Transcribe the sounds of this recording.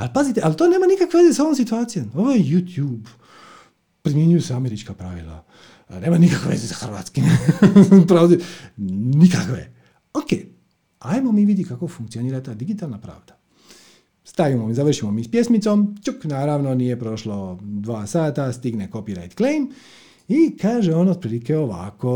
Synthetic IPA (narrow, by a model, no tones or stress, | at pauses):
alpazit̪eʔalt̪oːne̞ːmanikakʋeʋezesao̞ʋomsit̪uaːt̪sijomoʋojejuːt̪juːb | pɾimjeɲujuseame̞ɾit͡ʃkapɾaʋḭlˠa̰ | neːmanikakʋḛʋe̞̰zesaxrʋa̰ːt̪skim | pɾoːzi | nikakʋḛ | oke | ajmo̞miːʋid̪jikako̞fuŋk̪̚sioniːɾat̪aːd̪iɡit̪alnapɾa̰ːʋd̪̥ḁ | st̪aʋimomzaʋr̩ʃimomispje̞smit̪somt͡ʃuknaːɾaːʋno̞nije̞pɾo̞ʃlo̞d̪ʋaːsaːt̪ast̪iɡneko̞piɾa̰jt̪klejm | ikaːʒeond̪pɾiːlikeo̞ʋa̰ko̞